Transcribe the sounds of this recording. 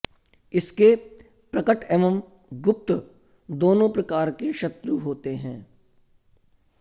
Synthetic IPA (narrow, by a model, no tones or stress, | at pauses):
ɪske | pɾɐkəʈeʋəm | ɡʊp̚t̪ | d̪oːnõpɾɐkaːɾkeʃɐt̪ɾuɦoːt̪eɦɛ̃ː